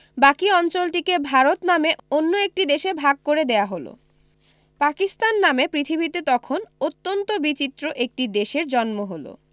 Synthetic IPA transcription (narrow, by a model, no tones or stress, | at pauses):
bakiɔnt͡ɕolʈikebʱaɾot̪nameʔonːoek̚ʈid̪eʃebʱaɡ̚koɾed̪eaɦolo̰ | pakist̪anːamepɾit̪ʰibʱit̪et̪ɔkʰonot̪ːont̪obit͡ɕit̪ːɾoʔek̚ʈid̪eʃeɾd͡ʑɔnmoɦolo̰